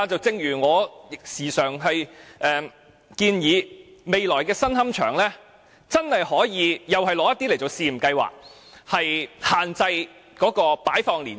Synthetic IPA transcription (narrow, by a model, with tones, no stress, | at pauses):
t͡sɐ˨wt͡sɪ˧ŋjyː˨˩ŋɔː˨˧˥ksiː˨˩sœː˨˩ŋɦɐ˨jʔɛː˨ | kiː˧njiː˨˧me˨jlɔː˨˩jkɛː˧sɐ˥nɦɐ˥mt͡ʃʰœː˨˩ŋlɛː˥ | t͡sɐ˥nhɐ˨jhɔː˨˥jiː˨˧jɐ˨whɐ˨jlɔː˧˥jɐ˥t̪iː˥le˨˩jt͡so˨wsiː˨˧m̩˨˩kɐ˧jwa̰ː˨k̚ | hɐ˨jhaː˨nt͡sɐ˧j | kɔː˨˥kɔː˧paː˨˥jfɔː˧ŋliː˨˩n